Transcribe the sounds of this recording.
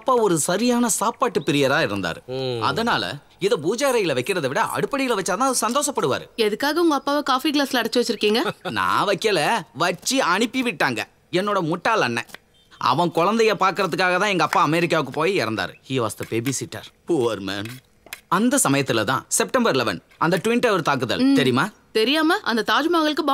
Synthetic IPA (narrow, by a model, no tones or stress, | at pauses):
ɐpːaːɔɾɯsɐɾɪjaːnɐsaːaːʈːɯpɪɾɪjɐɾaːɪɾɯnd̪a̰ːɾɯɐ̰ðɐnaːlɐ̰ | ɪðɐbuːd͡ʒaːɾɐjɪlɐʋɐɪkːɪɾɐðɐʋɪɽɐʔɐ̰ɽɯpːɐɽɪjɪlʋɐt͡ʃːaːt̪ãːɐðɯsɐnd̪oːʂɐpːɐɽɯʋa̰ːɾɯɛðɯkːaːɣɐʊŋɡɐɐpːaːʋɐkaːfik̬laːsɪlɐɐɽɐt͡ʃːɯʋɐt͡ʃːɪɾɯkːiːŋɡɐnã̰ːʋɐkːɐlɐʋɐt͡ʃːiɐɳɪpːiʋɪʈːaːŋɡɐ | ɛnːoːɽɐmʊʈːaːlɐnːɛ̰ | ɐ̰ʋɐ̃kɔɻɐnd̪ɐjɐpaːɾkɪɾɐðɯkːaːɣɐt̪ãːɛŋɡɐːpːaːɐmɛɾɪk̬ːaːʋɯk̬ːɯpoːjiɪɾɐnd̪a̰ːɾɯhiːʋa̰ːst̪ɐpeːbisɪʈːa̰ːɾpuːʋɐɾmɛ̰n | ɐnd̪ɐsɐmɐjɐt̪ːɪlɐt̪ã̰ːsɛp̚ʈɐmbɐɾlɛʋɐ̰n | ɐnd̪ɐʈʊʋɪɳʈɐʋɐɾt̪aːk̬ːɯðɐ̰lt̪ɛɾɪjɯmaː | t̪ɛɾɪjaːmɐʔɐnd̪ɐt̪aːd͡ʒɯmaːɣɐɭɯkːɯba